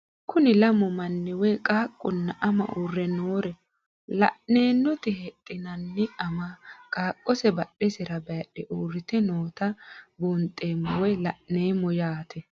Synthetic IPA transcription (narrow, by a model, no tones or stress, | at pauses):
kʰʊnɪlɐmɔmɐnːɛwɔjkʼaːkʼːʊnːɐʔɐmɐ̰ʔuːrːɛnoːɾɛ | lɐ̰ʔne̞ːnːɔt̪ɪhɛt̪ʼːɪnɐnːɪɐmakʼaːkʼːɔsɛbɐɗɛsɪɾɐbɛɐɗɛʔuːrːɪt̪ɛnoːt̪ɐbuːnt̪ʼːeːmːɔwɔjlɐʔneːmːɔjaːt̪ʰɛ